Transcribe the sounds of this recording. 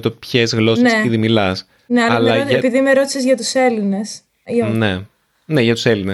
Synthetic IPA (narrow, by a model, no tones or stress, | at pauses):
t̪opçezɣlo̞snsepiðimilɐs | neɐlɐlɐɐpiðimeɾo̞t̪i̥sezʝɐt̪use̞line̞s | ine | ne̞ʝɐt̪u̥se̞line